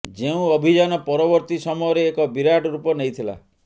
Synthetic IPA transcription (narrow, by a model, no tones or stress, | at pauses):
d͡ʒeũɔbʱid͡ʒanɔpɔɾɔbɔɾt̪isɔmɔjɔɾeːkɔbiɾaʈɔɾupɔnejt̪ʰila̰